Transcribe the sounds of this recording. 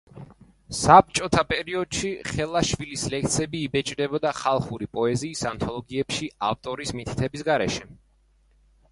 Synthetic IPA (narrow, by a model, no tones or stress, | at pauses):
sap̚t͡ʃʼɔt̪ʰapʼɛɾiɔd̪̥ʃiχɛlˠaʃvilislɛk̚t̪sʰɛbiːbɛt͡ʃʼd̪ɛbɔd̪aχalˠχuɾipʼɔɛziːsant̪ʰɔlˠɔɡiɛpʃiaft̪ʼɔɾismit̪ʰi̥t̪ʰɛbisɡaɾɛʃɛ